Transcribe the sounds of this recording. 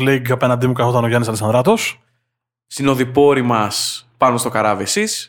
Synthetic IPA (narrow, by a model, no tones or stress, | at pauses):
leɡɐpenɐnd̪imukɐθot̪ɐno̞ʝɐnisɐleksɐnd̪ɾɐt̪o̞s | st̪ino̞ðipo̞ɾimɐspɐnost̪o̞kɐɾɐvesis